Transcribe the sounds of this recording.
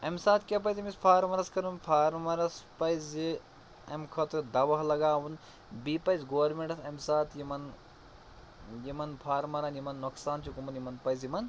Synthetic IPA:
ɐmsaːt̪kʲɐpɐjzimispʰaːɾmɐɾɐskɐɾunpʰaːɾmɐɾɐspɐjzi | ɐmkʰɐt̪ɾd̪ɐʋɐɦlɐɡaːwun | biːpɐjzɡoːʋɐɾmeɳʈɐsɐmsaːt̪ʰjimɐn | jimɐnpʰaːɾmɐɾɐnjimɐnːoksaːnt͡ʃʰikumɐnjimɐnpɐjzjimɐn

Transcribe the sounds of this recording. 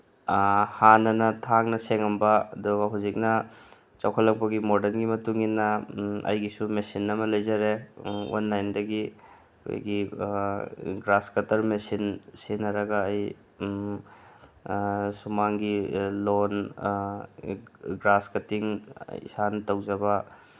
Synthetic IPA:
hanɐnɐtʰaŋnɐseŋɐmbɐɐ̰duɡɐɦuzik̚nɐ | t͡ʃɐwkʰɐlːɐk̚pɐɡimodɐnɡimɐtuŋinːɐɐ̰jɡisumesinɐmɐlɐjzaɾewa̰nːajndɐɡi | kʰo̰jɡi | ɡɾaskɐtɐɾmesinsinɐɾɐɡɐːj | sumaŋɡilon | ɡɾaskɐtiŋḭsantɐwzɐbɐ

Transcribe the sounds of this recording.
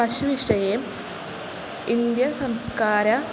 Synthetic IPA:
ɐɕuʋiʂʈɐjeːm | ind̪jɐsɐmskaːɾɐ

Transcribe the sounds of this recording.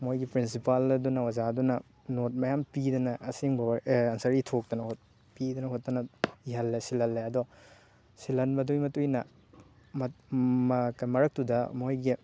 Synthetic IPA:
mojɡipɾinsipaldunɐwɐzadunɐ | not̚mɐjampidɐnɐʔɐsiŋbɐwɐnsɐɾitʰok̚dɐnɐhot̚ | pidɐnɐɦot̚ːɐnɐiɦɐlːesilɐlːeɐdɔ | silɐnbɐdujmɐtujnɐ̰ | mɐmkɐmɐɾɐk̚tudɐmojɡi

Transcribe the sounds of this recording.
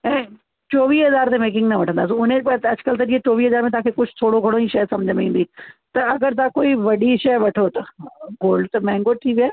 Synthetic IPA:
ɛ̃ː | t͡ʃoːʋiːɦɐzaːɾt̪emeːk̬ɪ̃ŋɡnɐʋɐʈʰə̃nd̪aːsĩʊnẽɐd͡ʒkəlt̪̬ɐɾiet͡ʃoːʋiːɦɐzaːɾmẽt̪̬aːkʰekʊt͡ʃʰt̪ʰoːɽoɡʱɐɽoiʃɐjsɐmd͡ʒʱəmĩːnd̪iːt̪ɐɐɡəɾt̪̬akoːiʋɐɗiʃɐjʋɐʈʰot̪ɐɡoːlɖt̪ɐmɛ̃ːŋɡoːt̪ʰiːʋɪaː

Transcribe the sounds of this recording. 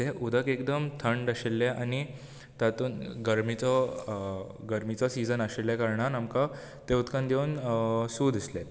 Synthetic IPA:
t̪eʔud̪ʱəkekd̪əmt̪ʰəɳɖaɕelːeʔani | t̪at̪uːnɡəɾmit͡sɔ | ɡəɾmit͡sɔsid͡zənaɕelːjakaɾɳanamka | t̪eut̪kãnd̪jeunsuːd̪ʱisle

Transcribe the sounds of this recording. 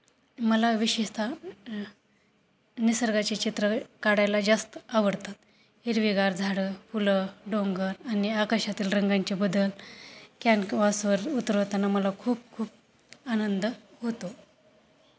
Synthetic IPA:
məlaʋiɕeɕt̪ʰa | nisəɾɡat͡ɕet͡ɕit̪ɾəkaɽajlad͡zast̪aʋəɽt̪at̪ | iɾʋiɡaɾd͡zʱaɽəfuləɖoŋɡəɾaniakəɕat̪iːlɾəŋɡaɲt͡ɕebəd̪əlkanʋasʋəɾut̪ɾəʋt̪anaməlakʰuːp̚kʰuːp̚ | anənd̪əɦot̪o

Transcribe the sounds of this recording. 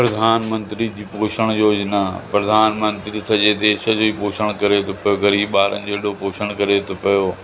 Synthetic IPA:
pɾɐd̪ʱaːnmə̃nt̪ɾid͡ʑiːpoːʃəɽ̃joːd͡ʑnapɾɐd̪ʱaːnmə̃nt̪ɾisɐʄed̪eːʃəd͡ʑoːiːpoːʃəɽ̃kɐɾet̪ʰopɐjokɐɾiːɓaːɾə̰nɪ̆d͡ʑoːɪɗopoːʃəɽ̃kɐɾet̪ʰopɐjoː

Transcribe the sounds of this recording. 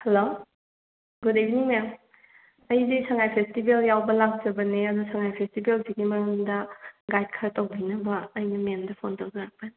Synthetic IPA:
hɐlo | ɡodejbiniŋmjaŋ | ɐjdisɐŋajpʰestibeljawbɐlak̚zɐbɐneɐdusɐŋajpʰestibelsiɡimɐɾɯŋdɐɡajt̚kʰɐɾɐtowbʱinɐbɐːjnɐmendɐpʰontowzɐɾak̚pɐni

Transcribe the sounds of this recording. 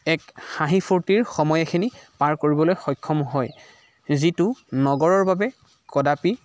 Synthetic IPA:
ɛkxãɦipʰuɹtiɹxɔmɔjakʰinipaɹkoɹibɔlojxɔjkʰːɔmɦɔj | zitʊnɔɡɔɹɔɹbabɛ | kɔdapi

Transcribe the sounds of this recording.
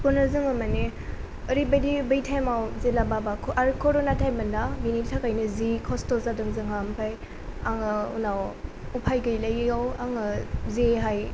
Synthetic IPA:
pɔnɯzɯŋɯmane | ɔɾibadibɐjtʰajmawzelababakʰʔaɾkʰɔɾonatʰajmbɐndabinitʰakajnɯzikʰɔstɔzadɯŋzɯŋampʰaj | aŋɯunawupʰajɡɯjlajawaŋɯzeɦaj

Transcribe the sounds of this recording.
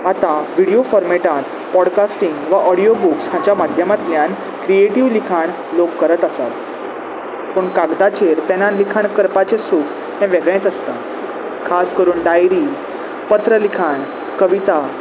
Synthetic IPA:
at̪aʋiɽijofɔɾmeʈãt̪ | pɔɽkasʈiŋɡʋaʔɔɽijobuksɦãt͡ɕjamad̪ʱjəmat̪ljãn | kɾieʈiʋlikʰaɳ | lokːəɾət̪əsat̪ | pəɳkaɡd̪at͡ɕeɾt̪ɛnãnlikʰaɳkəɾpat͡ɕesuːk | ɦɛ̃ʋɛɡɭẽt͡səst̪a | kʰaskəɾuːɳɖajɾiː | pət̪ɾəlikʰaɳ | kəʋit̪a

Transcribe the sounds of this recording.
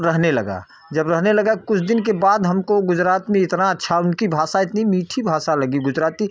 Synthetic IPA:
ɾəɦnelɐɡa̰ | d͡ʒəbɾəɦnelɐɡakʊt͡ʃʰd̪ɪnkebaːd̪ɦɐmkoɡʊd͡ʒɾaːt̪mẽɪt̪naətːʃʰaʊnkibʱaːsaɪt̪nimiːʈʰibʱaːsalɐɡiɡʊd͡ʒɾaːt̪i

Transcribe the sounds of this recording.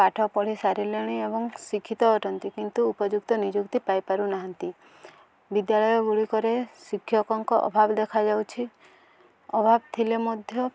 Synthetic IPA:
kaʈʰɔpɔɽ̤isaɾileɽ̃iebɔŋsikʰit̪ɔːʈʰɔnt̪ikint̪uːpɔd͡ʒuk̚t̪ɔnid͡ʒukt̪ipajpaɾunaɦant̪i | bid̪jalɔjɔɡuɭikɔɾesikʰːjɔkɔŋkɔʔɔ̰bʱabɔd̪ekʰad͡ʒawt͡ʃʰi | ɔbʱabt̪ʰilemɔd̪ʱjɔ

